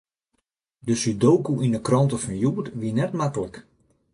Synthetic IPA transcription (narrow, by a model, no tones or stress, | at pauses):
dəsydowkuʔindəkrɔntəfɔnjuətʋiənɛtmakələk